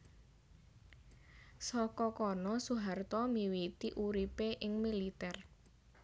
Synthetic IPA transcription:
sɔkɔkɔnɔsuɦart̪ɔmiwit̪iʔuɾipeʔɪŋmilit̪ɛr

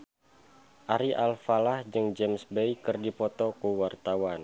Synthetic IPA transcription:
ʔaɾiʔalfalahd͡ʒɨŋd͡ʒɛmsbejkɨrdipɔt̪ɔkuwart̪awan

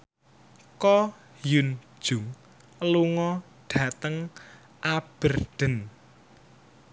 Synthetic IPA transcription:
kɔ | jund̥ʒ̥uŋ | luŋɔ | ɖ̥ä̤t̪əŋ | ʔab̥ə̤rɖ̪̥ə̤n

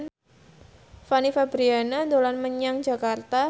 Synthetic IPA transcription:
n | fanifabɾianadolanməɲaŋd͡ʒakart̪a

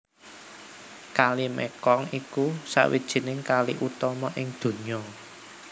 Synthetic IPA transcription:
kalimɛ̰kɔŋikusa̰wḭd̥ʒ̥i̤nɪŋkaliʔut̪ɔmɔʔɪŋd̪̥o̤ɲɔ

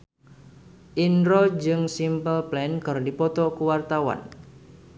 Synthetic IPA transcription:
ʔinɾɔd͡ʒɨŋsimpəlplɛnkɨrdipɔt̪ɔkuwart̪awa̰n

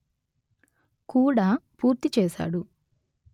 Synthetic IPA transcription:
kuːɽaːpuːɾt̪it͡ʃɛːʃa̰ːɽu

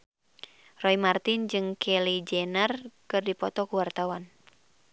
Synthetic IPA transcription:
rɔimart̪ɪnd͡ʒɨŋkʰɛlid͡ʒɛnərkɨrdipɔt̪ɔkuwart̪awan

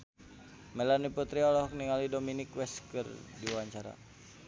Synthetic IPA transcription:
mɛlaniput̪ɾiɔlɔhkniŋalidominikwɛskərdiwaɲt͡ʃaɾa̰

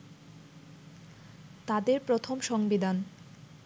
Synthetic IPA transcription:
t̪ad̪eɾpɾot̪ʰomʃɔŋbid̪an

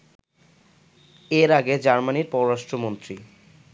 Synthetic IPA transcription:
eɾaɡed͡ʑaɾmaniɾpɔɾoɾaʃʈɾomont̪ɾi

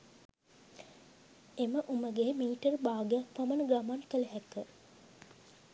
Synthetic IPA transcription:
eməʔuməɡeːmiːiʈərbaːɡejakpamənəɡamankələɦɛkə

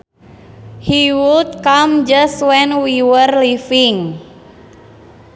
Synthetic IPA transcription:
hiwud̪̚kamd͡ʒaswɛnwiwərlifiŋ

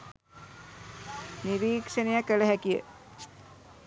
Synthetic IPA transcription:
niɾiːkʂənejakːələɦækijə̰

